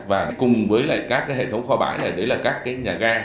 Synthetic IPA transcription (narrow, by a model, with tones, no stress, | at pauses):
vaː˨˩ɓa˨˦kʊ˨˩ŋ͡mvəː˨˦jla̰ː˧˨kaː˦˥k̚ːaː˨˦jhḛ˧˨˩t̪ʰwŋ͡mxɔ˧ɓa̰ː˧˩jlaː˨˩jɗe˨˦laː˨˩kaː˦˥kːaː˨˦jɲaː˨˩ɣaː˧